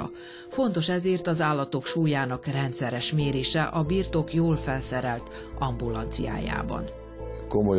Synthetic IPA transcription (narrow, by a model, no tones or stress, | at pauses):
ɒ̰ | fo̞nt̪o̞ʃɛzeːrt̪ɒzaːlːɒt̪o̞kʃuːjaːnɒkrɛnt̪sɛɾɛʃmeːɾeːʃɛʔɒbiːrt̪okjoːlfɛlsɛɾɛlt̪ | ɒmbulɒnt̪sḭja̰ːja̰ːbɒ̰n | komo